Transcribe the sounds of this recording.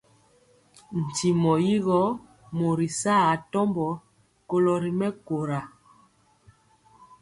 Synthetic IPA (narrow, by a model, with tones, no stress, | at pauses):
n̩˨ti˨mɔ˨ji˦ɣɔ˦ | mo˨ɾi˨saː˦˨a˨tɔ˦mbɔ˨˦ | ko˨lɔ˨ɾi˨mɛ˦ko˨ɾa˨